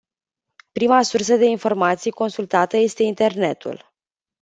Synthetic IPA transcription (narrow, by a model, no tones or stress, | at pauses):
pɾimasurs̬əd̪e̞info̞rmat̪sijko̞nsult̪at̪əje̞st̪e̞int̪e̞rne̞t̪ṵl